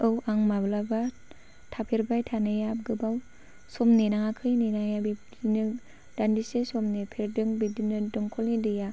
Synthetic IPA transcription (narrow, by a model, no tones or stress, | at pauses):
ɯwʔaŋmablaba | tʰapʰeɾbajtʰanɯjab̚ɡɯbaw | sɔmnenaŋakʰɯjninajabidinɯ | d̥andisesɔmnepʰeɾdɯŋbidinɯdɯŋkʰɔlnidɯja